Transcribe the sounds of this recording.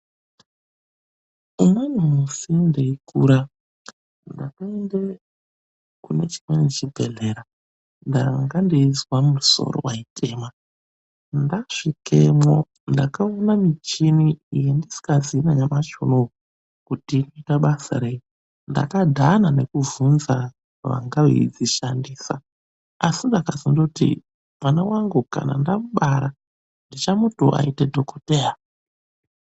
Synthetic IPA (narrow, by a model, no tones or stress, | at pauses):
umwenumusindeikuːɾa | ndakaende | kune̞t͡ʃi̥mwenet͡ʃibʱe̞̰ɮe̞ɾa | ndaŋɡandiizwamuso̞̰ɾo̰waiteːma | ndaʂikemo | ndakaonamit͡ʃiniːjendisi̥kazinajamat͡ʃo̰no | kutiːno̞itaɓasa̰ɾe̞i | nda̰kadʱanane̞kuvunza | ʋa̰ŋɡaʋḛid͡ziʃandiːsa̰ | asindakazindotḭ | manawaŋɡuka̰na̰ndamuɓaɾa | ndit͡ʃamuto̰ʔa̰itedʱokoteja